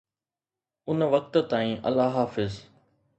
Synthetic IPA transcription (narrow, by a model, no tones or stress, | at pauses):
ʊnʋɐk̚t̪t̪aːĩːʔɐ̰laːɦaːfɪz